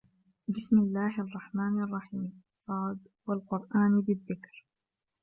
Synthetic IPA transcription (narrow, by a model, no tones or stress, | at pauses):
bɪsmɪlːaːɦʔɑrˤːɑħmaːnɑrˤːɑħiːm | sˤɑːd̪ | walqʊɾˤʔaːnbɪðːɪkɾ